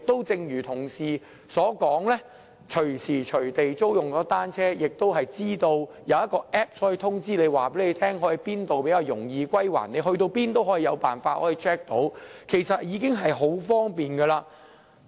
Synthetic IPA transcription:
k̚t̪o˥wt͡sɪ˧ŋjyː˨˩t̪ʰʊ˨˩ŋsiː˨ | sɔː˨˥kɔː˨˥ŋlɛ˥ | t͡ʃʰɵ˨˩ɥsiː˨˩t͡ʃʰɵ˨˩ɥt̪e˨jt͡so˥wjʊ˨ŋkɔː˨˧t̪aː˥nt͡sʰɛː˥jɪ˨k̚t̪o˥wɦɐ˨jt͡siː˥t̪o˧wjɐ˨˧wjɐ˥t̚kːɔː˧ʔɛː˥p̚sɔː˨˦˥ji˨˧t̪ʰʊ˥ŋt͡siː˥le˨˧jwaː˨˩pe˨˥jle˨˧jt̪ʰɛː˥ŋɦɔ˨˥ji˨˧piː˥nt̪o˨wpe˨˥jkaː˧wjʊ˨˩ŋjiː˧kʷɐ˥jwa̰ː˨˩ne˨˧ɦɵ˧ɥt̪̬o˧wpiː˥nt̪o˥wɦɔː˨˥jiː˨˧jɐ˨˧wpaː˨nfaː˧t̚hɔ̰ː˨˥jiː˧t͡ʃʰɛː˥k̚t̪o̰˨˥wkʰe˨˩jsɐ˨t̚jiː˨˧kɪ˥ŋɦɐ˨jɦo˨˥wfɔː˥ŋpiː˨˩nkɐ˧laː˧

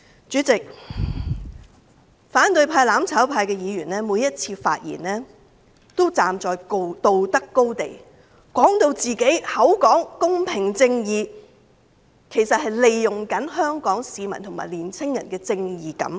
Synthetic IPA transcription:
t͡ʃyː˨˥t͡sɪ˨k̚ | faː˨˥nt̪ɵ˧ɥpʰaː˧jlaː˨˥mt͡sʰaː˨˥wpʰaː˧jkɛː˧jiː˨˧ɥyː˨˩nɛː˥muː˨˧jɐ˥t̚t͡sʰiː˧faː˧t̚jḭː˨˩nlɛː˥ | t̪o˥wt͡saː˨mt͡ʃɔː˨jko˧wt̪o˧wt̪ɐ˥kːo˥wt̪e˨˩j | kɔː˨˥ŋt̪o˧wt͡siː˨ke˨˥jhɐ˨˥wkɔː˨˥ŋkʊ˥ŋpʰɪ˨˩ŋt͡sɪ˧ŋjiː˨˧ | kʰe˨˩jsɐ˨t̚hɐ˨jle˨jjʊ˨˩ŋkɐ˨˥nhœː˥ŋkɔː˨˥ŋsiː˨˧mɐ˨˩nt̪ʰʊ˨˩ŋma̰ː˨˩jliː˨˩nt͡sʰɪ˥ŋjɐ˨nkɛː˧t͡sɪ˧ŋjiː˨kɐ̰˨˥m

